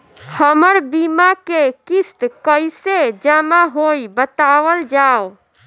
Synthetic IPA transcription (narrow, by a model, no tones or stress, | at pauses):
həməɾbimakekist̪kəjsed͡ʒamaɦojbət̪aʋəld͡ʒao